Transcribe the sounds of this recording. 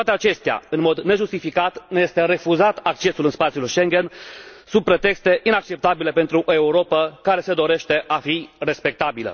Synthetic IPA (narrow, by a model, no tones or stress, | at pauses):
t̪oat̪e̞at͡ʃe̞st̪ea̰ɨnmo̞d̪ne̞ʒust̪ifikat̪neje̞st̪eɾe̞fuzat̪akt͡ʃe̞sulɨnspat̪siulʃe̞ŋɡʲe̞nsun̚pɾe̞t̪e̞kst̪e̞ʔinak̚t͡ʃe̞p̚t̪abile̞pe̞nt̪ɾuʔoe̞uɾo̞pəkaɾe̞se̞d̪o̞ɾe̞ʃt̪e̞ʔafire̞spe̞k̚t̪abilə̰